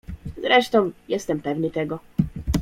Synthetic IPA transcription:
zɾɛʂt̪ɔmjɛst̪ɛmpɛvnit̪ɛɡɔ

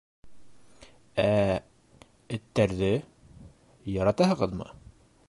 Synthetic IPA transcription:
æ | ɘ̆t̪ːæɾðɘ | jɒɾɑt̪ɑɦɤ̆ʁɤðmɤ̰

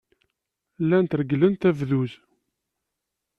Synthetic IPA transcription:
lːænt̪ɾəɡlənt̪ævðuz

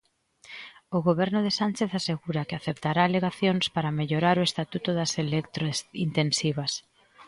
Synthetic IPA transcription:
ʊɣoβɛɾnʊðɪsant͡ʃeθaseɣuɾɐkeaθept̪aɾaːleɣaθjoŋspaɾameʎoɾaɾʊest̪at̪ut̪ʊðɐselekt̪ɾosint̪ensiβ̞ɐs

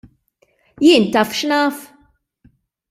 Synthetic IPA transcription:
jɪːnt̪ɐːfʃnɐːf

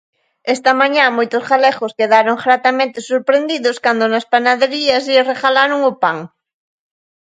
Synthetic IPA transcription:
est̪ɐmãɲãmojt̪ʊsxalexoskeðaɾoŋxɾat̪amẽnt̪ɪsuɾpɾend̪iðʊskand̪ʊnaspanaðeɾiɐsireɣalaɾoŋʊpaŋ

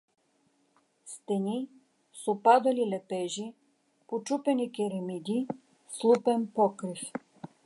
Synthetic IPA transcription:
st̪ɛni | sopad̪ɐlilɛpɛʒi | pot͡ʃupɛnikʲɛɾɛmid̪i | slˠupɛnpɔkɾif

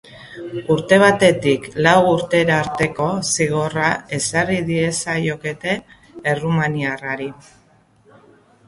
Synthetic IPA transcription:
uɾt̪e̞β̞at̪e̞t̪iklawuɾt̪e̞ɾaːɾt̪e̞ko̞siɣ̞o̞rae̞sariðie̞sajo̞ke̞t̪e̞ː | rumaniaraɾi

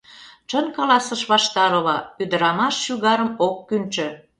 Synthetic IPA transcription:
t͡ʃənkɑlɑsəʃβɑʃt̪ɑɾə̆βɑyd̪ə̆ɾɑmɑʃːyɣɑɾəmokːynt͡ʃø̆

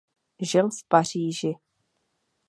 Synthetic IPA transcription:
ʒɪlfpariːʒɪ

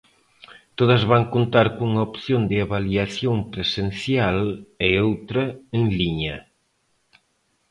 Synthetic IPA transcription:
t̪oðɐzβaŋkont̪aɾkouŋaopθjond̪ɪaβaliaθjoŋpɾesenθjaleowt̪ɾɐeŋliɲɐ

